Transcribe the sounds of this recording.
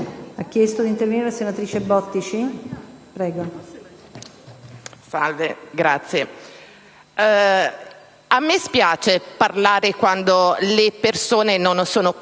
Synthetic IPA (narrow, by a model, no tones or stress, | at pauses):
akːjɛst̪od̪int̪erveniɾelasenat̪ɾiːt͡ʃebɔt̪ːit͡ʃipɾɛːɡo | salveɡɾat̪sːje | amːespjaːt͡ʃeparlaːɾekwand̪olepersoːnenonsoːno